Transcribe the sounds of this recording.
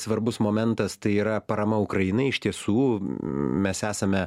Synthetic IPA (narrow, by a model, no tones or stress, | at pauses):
sʋɐɾbʊsmoːmʲɛnt̪ɐst̪ɐɪiːɾɐpɐɾɐmɐʊkɾɐinɐɪɪʃʲt̪ʲiɛsuː | mʲɛsæːsɐmʲɛ